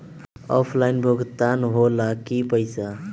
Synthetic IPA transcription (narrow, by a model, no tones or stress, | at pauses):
ɔpʰlajnbʱoɡt̪anɦolakipəjsa